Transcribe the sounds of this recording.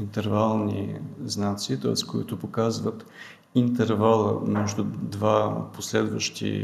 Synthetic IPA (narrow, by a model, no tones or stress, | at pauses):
int̪ɛɾvalˠnḭznat̪siːt̪ɔɛskoit̪ʊpokazvət̪ | int̪ɛɾvalˠə̰mɛʒd̪ʊd̪vaposlɛd̪və̰ʃt̪ḭ